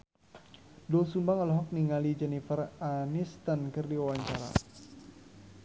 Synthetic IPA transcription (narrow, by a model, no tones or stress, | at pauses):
dɔsumbaŋəlɦɔk̚niŋalid͡ʒɛnifəranist̪ankɨrdiawaɲt͡ʃaɾa̰